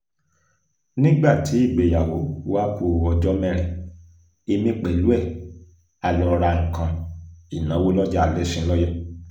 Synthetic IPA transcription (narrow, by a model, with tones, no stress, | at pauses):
nĩ˦ɡ͡ba˦˨ti˨˦i˦˨ɡ͡be˨ja˨wo˨˦wa˦ku˧˨ɔ˧d͡ʒɔ˦mɛ̃˦˧ɾ̃ɛ̃˨ | e˧mĩ˧˦k͡pɛ˨lu˨˦ɛ˦˨ | a˨lɔ˧ɾa˧ŋ̩˨kã˧i˨nã˨˦wo˦lɔ˦d͡ʒa˦a˨lɛ˦sĩ˧˦lɔ˦jɛ˦